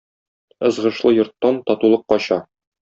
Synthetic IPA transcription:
ɤ̆zʁɤ̆ʃlˠɤjŏɾt̪ːɑnt̪ɒt̪ulˠɤqːɒɕɑ

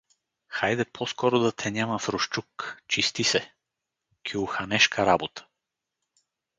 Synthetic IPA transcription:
xajd̪ɛpʰɔskɔɾʊd̪ɐt̪ʰɛnʲamɐfɾoʃt͡ʃukt͡ʃist̪isɛ | kʲʰiʊxɐnɛʃkʰɐɾabot̪ə̥

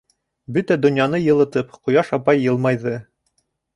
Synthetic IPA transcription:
bɵt̪æd̪ŏnjɑnɤjɤ̆lˠɤ̆t̪ɤpqŏjɑʃɑpɑjːɤ̆lˠmɑjðɤ

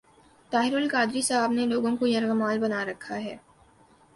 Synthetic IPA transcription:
t̪aːɦɪɾʊlkaːd̪ɾisɐɦəbneloːɡõkojɐɾɣɐmaːlbɐnaɾɐkʰːaɦɛː

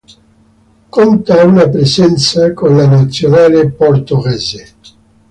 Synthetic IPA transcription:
kont̪aunapɾesɛnt̪sakonlanat̪sːjonaːleport̪oɣɛze

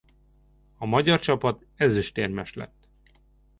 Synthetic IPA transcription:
ɒmɒɟɒrt͡ʃɒpɒt̪ | ɛzyʃt̪eːrmɛʃlɛ̰t̪ː

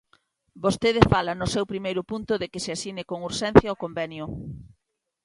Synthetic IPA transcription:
bost̪eð̞ɪfalɐnʊsewpɾimejɾʊpunt̪ʊðekɪsɪasinɪkoŋuɾʃɛn̟θjaokombɛnjʊ

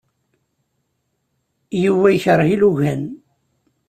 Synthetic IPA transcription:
juwæjçəɾˤhiluʝæn

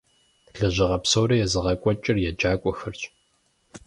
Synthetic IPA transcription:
ɮɨʑɪʁɐpsowɾɐjɛzɨʁɐkʷʼɔt͡ʃʼɪrjɛd͡ʒaːkʷʼɔxɨrt͡ʃʼ

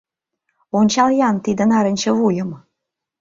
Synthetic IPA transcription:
onʲt͡ɕɑljɑnt̪id̪ə̆nɑɾə̆nʲt͡ɕə̆βujə̆m

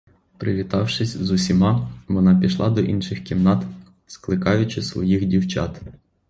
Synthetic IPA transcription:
pɾɪʋʲit̪ɑwʃɪsʲzʊsʲimɑʋɔnɑpʲiʃlˠɑd̪ɔʔinʃɪxkʲimnɑt̪ | sklˠɪkɑjʊt͡ʃɪsʋɔ̰jixdʲiwt͡ʃɑ̰t̪

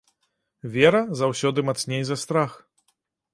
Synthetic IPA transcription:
vʲɛɾɐzawsʲɔd̪ɨmat̪snʲejzɐst̪ɾax

